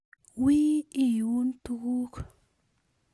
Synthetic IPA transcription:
wi˦i˦˨ju˦nt̪u˦ku˦k

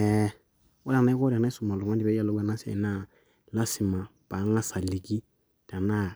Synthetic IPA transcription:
ɛ | wɔ˦a˨na˦i˦kɔ˦ɾa˨na˦i˦su˨ma˨lu˨ŋã˦di˦bɛ˦ja˨lo˦ɡa˨na˦sɛ̰˨ḭ˨˦na˦ | la˦si˨mã˨ | pa˨˦ŋa˦sa˨li˨ɡi˦ | ta˨na˦˨

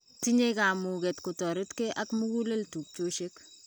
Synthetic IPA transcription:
ti˦ɲe˦ka˨mu˨kɛ˨tkʊ˨tɔ˨ɾɪ˦tke˦ʔa˦kmu˦ku˦le˦ltu˨k̚t͡ʃo˦ʃe˦k

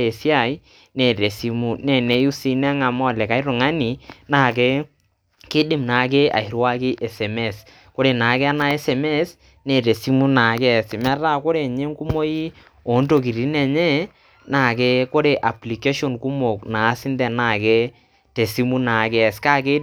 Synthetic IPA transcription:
e˨si˦a˨j | nɛ˨ɾe˨si˦mu˦nɛ˨ne˨˦ju˦si˦nɛ˦ŋa˨mɔ˦˨lɛ˨ka˨˦ɪ˦ɾʊ˨ŋa˦ni˨na˨ke˦ | kɪ˦dɪ˦˨mna˨ke˦a̰˨i˨ɾwa˦kɪ˦ʔɛ˨sɛ˨mɛ˦˨s | ko˦ɾe˨na˨kɛ˦a˦na˦ɛ˦sɛ˨mɛ˦s | ne˨ɾe˨si˦mu˦na˨kɛ˦˨sɪ˨mɛ˦ɾa˦˨ko˦ɾe˨ɲe˦ŋ˦ku˦mo˦ji˦ | o˨˦nto˨ki˨ɾi˨˦nɛ˨ɲɛ˦ | na˨ke˦ko˦ɾe˨ʔa˨pli˨ke˦ʃo˨nku˦mo˨kna˨˦sɪ˦ndɛ˨na˨ke˦ | te˨si˦mu˦na˨˦kɛ˦˨ska˦ke˦

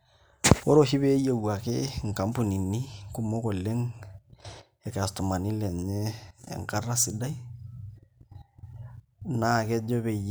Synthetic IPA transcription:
o˦ɾo˦hi˦βe˦je˨wa˨ke˦ŋ˨ka˨mpu˨ni˨ni˦ku˦mo˦ko˨le˦ŋ | ɛ˨ka˨stu˨ma˨ni˦le˨ɲḛː˦˨ŋka˦ra˦sɪ˨da˦i˦ | naː˦˨kɛ˦d͡ʒo˦βe˨j

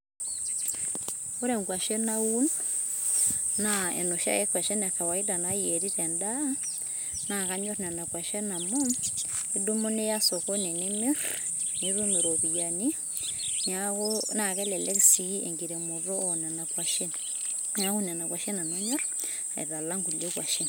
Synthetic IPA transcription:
o˦ɾɛ˨ŋɡwa˨ʃe˦na˦wu˦n | aɛ̰˨no˨ʃa̰˦jɛ˦kwa˨ʃe˦na˨ka˨wa˨ida˨najeɾi˦tɛnda | naka˦ɲɔ˦ɾna˨na˨kwa˨ʃɛ˦na˨mɔ˦i˦do˦mo˦ne˦ja˦sɔ˨kɔ˦ne˨ne˦me˦r | ni˦ɾo˦me˨ɾo˨βi˨ja˨ni˦ | nakona˨kɛ˦lɛ˨lɛ˦ksi˦ḛ˨ŋɡiɾe˨mo˨rɔ˦ɔ˨nɛ˨na˨kwa˨ʃe˦n | ɲa˦ku˦nɛ˨na˨kwa˨ʃe˦na˨na˦ɲɔ˦r | ḛ˨ɾa˨la˦ŋɡu˨le˦kwa˨ʃe˦n

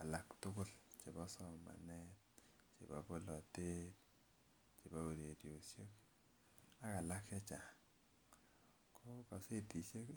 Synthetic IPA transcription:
a˨la˨ktʊ˦kʊ˦lt͡ʃe˨bɔ˦sɔ˦ma̰˨nɛ˦t̚ | t͡ʃḛ˨ba̰˨bo˦lɔ˨te˦t | t͡ʃi˨ba˦o˨de˨di˨o˨sje˦k | a˦ka˨la˦kɛ˦t͡ʃa˨ | kʰɔ˦ka˨se˦ti˨se˦k

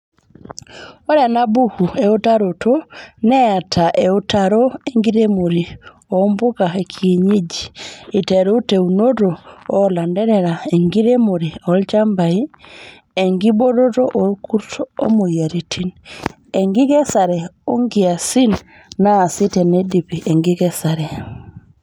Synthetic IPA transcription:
ɔ˦ɾa˨na˦bu˦hu˨e˨o˦ta˦ɾo˨tʰonɛ˦a˨tʰaʔe˨o˦tʰaɾo˦e˦ŋɡiɾemo˨ɾi˨ | ɔmbo˦ka˨e˨kʰie˨ɲi˦d͡ʒi̥ː˨tɛ˨ɾu˦te˨u˨no˦ɾoɔ˦la˨ndɛ˦ɾɛɾa˨e˨ŋɡi˦ɾe˦mo˨ɾi˨ɔlt͡ʃa˦mba˨i˦ | e˨ŋɡi˦bo˦ɾo˦ɾoʔɔ˨kʰu˦ɾtʰoo̰˦mo˨ja˨ɾitʰi˦n | eŋɡi˦kɛ˦saɾɛ˨o˦ŋɡia˨si˦n | naː˦˨si˦tɛ˨nɛdi˨piʔe˨ŋɡi˦kɛ˦sa˨ɾɛ˨

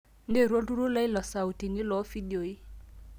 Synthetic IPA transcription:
n̩˦de˦˨ɾwo˦du˦ɾu˦la˦i˦lɔ˨sa˨u˨ti˨ni˦lɔ˨˦fi˦di˨o˨i˦

